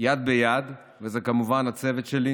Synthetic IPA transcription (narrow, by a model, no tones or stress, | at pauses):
jad̪̚bejad̪ | vezeɛkamuvanat͡sevet̪ʃeli